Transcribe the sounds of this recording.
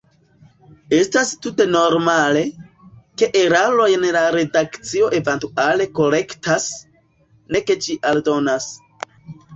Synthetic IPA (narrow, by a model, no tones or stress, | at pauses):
e̞stastute̞no̞ɾmale̞ | ke̞ʔeɾalo̞jnlaɾe̞dakt͡sio̞ʔe̞ventuale̞ko̞ɾe̞ktas | ne̞ke̞t͡ʃiʔaldo̞nas